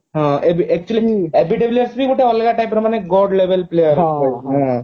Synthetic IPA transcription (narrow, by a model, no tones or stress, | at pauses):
ɦãebiʔɛk̚t͡ʃuəliebiʈ̬ebljəɾsbʱikoʈʰeɔlɡaʈajpːɾɐmaneɡoɖleʋelplejəɾeɦã